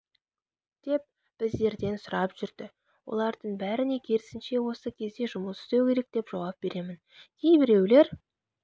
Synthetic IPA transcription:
d̪̥e̞p̚ | b̥ɪzd̪e̞ɾd̪e̞nsʊɾɑpʒ̥ʏɾd̪̥ɪ | wo̞̰lˠɑɾd̪əɴbæɾɪne̞kʲʰe̞ɾɪsɪnʃe̞wo̞səkʲʰe̞zd̪e̞ʒʊməsʏ̥st̪ewkʲe̞ɾe̞k̚d̪̥e̞pʒ̥awɑp̚b̥e̞ɾe̞mɪn | kʲʰejbɪɾe̞wle̞ɾ

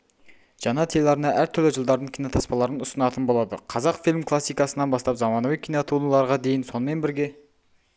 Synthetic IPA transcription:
ʒ̥ɑnɑt̪ʰelɑɾənɑʔæɾt̪ʰʏɾlɪʒəlˠd̪ɑɾd̪əɴkʲʰijno̞t̪ʰɑspɑlˠɑɾənʊsənɑt̪ənbo̞lˠɑd̪ə̰qʰɑzɑqfilʲmkʰlˠɑsːijkɑsənɑnbɑst̪ɑpzɑmɑnɑvijkʲʰijnot̪ʰunlˠɑɾʁɑd̪e̞jɪnso̞nəme̞nbɪɾɡʲe̞

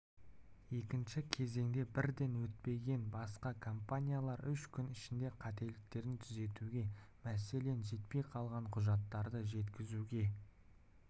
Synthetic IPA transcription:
je̞kʲɪnʃɪkʲʰe̞ze̞ŋd̪e̞bɪɾd̪e̞nwɵt̪̚pe̞ɡʲe̞nbɑsqɑkʰo̞mpanʲijalˠɑɾʏʃkʲʰʏnɪʃɪnd̪e̞qʰɑt̪e̞lɪk̚t̪e̞ɾɪnt̪ʰʏze̞t̪uɡʲe̞ | mæse̞le̞nʒe̞t̪pe̞jqʰɑlˠʁɑɴqʰʊʒɑt̪ːɑɾd̪əʒe̞t̪kʲɪzuɡʲe̞

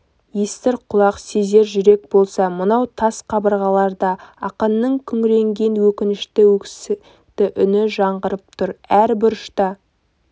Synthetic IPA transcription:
jest̪ɪɾqʰʊlˠɑqseze̞ɾʒʏɾe̞k̚bo̞lˠsɑmənɑwt̪ʰɑsqʰɑbəɾʁɑlˠɑɾd̪ɑɑqɑnːəɴkʲʰʏŋɾe̞ŋɡʲe̞nwɵkʲɪnɪʃt̪ɪwɵkʲsɪ | t̪ɪʔʏnɪʒɑɴʁəɾəp̚t̪ʰʊɾæɾbɪɾʊʃt̪ɑ

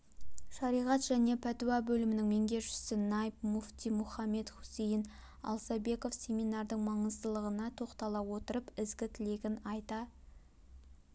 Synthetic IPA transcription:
ʃɑɾijʁɑt̪ʒ̥æne̞pʰæt̪uabɵlɪmɪnɪŋme̞ŋɡʲe̞ʒʏ̥sɪnɑjp̚muft̪ijmʊχɑmːe̞t̪χu̥sejɪn | ɑ̰lˠsɑbe̞ko̞fsʲe̞mijnɑɾd̪əɴmɑɴəzt̪əlˠəʁənɑt̪ʰo̞qt̪ɑlˠɑwo̞t̪əɾəpɪzɡʲɪt̪ʰɪle̞ɡʲɪnɑjt̪ɑ

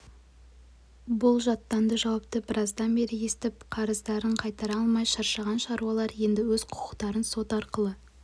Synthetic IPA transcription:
bʊlˠʒɑt̪ːɑnd̪əʒɑwɑp̚t̪əbəɾʔɑzd̪ɑnbe̞ɾɪjest̪ɪp̚qʰɑɾəzd̪ɑɾəɴqʰɑjt̪ɑɾɑlˠmɑjʃɑɾʃɑʁɑnʃɑɾuɑlˠɑɾje̞nd̪ɪwɵzqʰʊ̥qʰə̥qt̪ɑɾənso̞t̪ɑɾqəlˠə

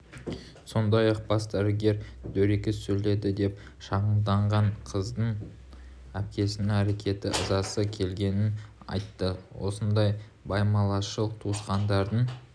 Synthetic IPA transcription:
so̞nd̪ɑjɑq̚bɑsd̪æɾɪɡʲe̞ɾd̪ɵɾekʲesɵle̞d̪ɪd̪e̞p | ʃɑʁəmd̪ɑɴʁɑɴqʰəzd̪əɴ | æp̚kʲe̞sɪnɪŋæɾe̞kʲʰe̞t̪ɪʔəzɑsəkʲʰe̞lɡʲe̞nɪn | ɑ̰jt̪ːəwo̞̰sənd̪ɑj | bɑjmɑlˠɑʃəlˠt̪ʰuəsqɑnd̪ɑɾd̪əɴ

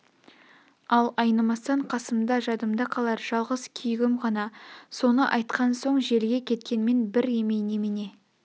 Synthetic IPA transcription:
ɑlˠɑjnɑmɑst̪ɑɴqʰɑsəmd̪ɑʒɑd̪əmd̪ɑqʰɑlˠɑɾʒ̥ɑlˠʁəzkʲʰʏjɡʲɪmʁɑnɑso̞nəʔɑjt̪qʰɑnso̞ɴʒe̞lɡʲe̞kʲʰe̞t̪kʲe̞nme̞nbɪɾe̞mejnemɪne̞

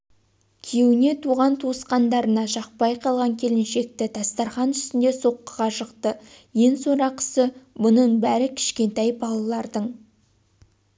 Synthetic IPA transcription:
kʲʰe̞wɪne̞t̪ʰuʁɑnt̪ʰusqɑnd̪ɑɾənɑʒɑq̚pɑjqʰɑlˠʁɑŋkʲʰe̞lɪnʃe̞k̚t̪ɪt̪ʰɑst̪ɑɾχɑnʏst̪ɪnd̪e̞so̞qːəʁɑʃəqt̪ə | je̞nso̞ɾɑqə̥səmʊnəɴbæɾɪkʲʰɪ̥ʃkʲe̞nt̪ɑjbɑlˠɑlˠɑɾd̪əɴ

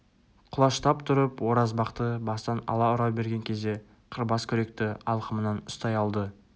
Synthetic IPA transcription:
qʰʊlˠɑʃt̪ɑpt̪ʰʊɾəpwo̞ɾɑzbɑqt̪əbɑst̪ɑnɑ̰lˠɑʊɾɑwbe̞ɾɡʲe̞ŋkʲʰe̞zd̪e̞ | qʰəɾbɑskʲʰɵɾe̞kt̪ɪɑlˠqəmənɑnʊst̪ɑjɑlˠd̪ə

